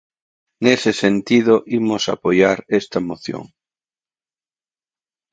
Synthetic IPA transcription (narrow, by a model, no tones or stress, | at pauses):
ŋesesent̪ið̞oʔimosa̰pojaɾest̪amoθjo̰ŋ